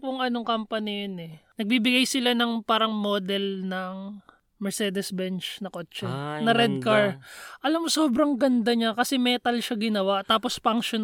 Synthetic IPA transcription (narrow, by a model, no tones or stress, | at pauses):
kʊŋʔɐnoŋkɐmpɐnɪjonɛnɐɡ̚bibɪɡajsɪlanɐŋpaːɾɐŋmod̪ɛlnɐŋ | mɛɹsɛːd̪ɛsbɛnt͡ʃnɐkot͡ʃːɛnɐɾɛd̪̚kaɹʔɐlamːoso̞ːbɾɐŋɡɐnd̪ɐɲakɐsɛmɛːt̪ɐlʃaɡɪnɐwaʔt̪aːpo̞spɐŋʃon